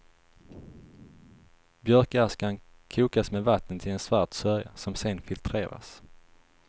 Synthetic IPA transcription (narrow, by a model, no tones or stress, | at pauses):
bjœɾkaskan | kʰuːkasmeːd̪vat̪ʰːənt̪ʰɪlɛnsvaʈsœɾja̰sɔmsɛnfɪlt̪ʰɾḛːɾa̰s